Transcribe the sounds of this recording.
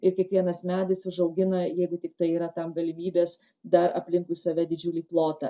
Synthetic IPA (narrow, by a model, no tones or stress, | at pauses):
ɪɾkʲiɛkʋʲiɛnɐsmʲæːd̪ɪsʊʒɐʊɡʲɪnɐjɛɪɡʊt̪ʲɪk̚t̪ɐɪiːɾɐt̪ɐmɡɐlʲɪmʲiːbʲeːs | d̪ɐɾɐ̰pʲlʲɪŋkʊsɐʋʲɛd̪ʲɪd͡ʒʲʊlʲiːplˠoːt̪ɐ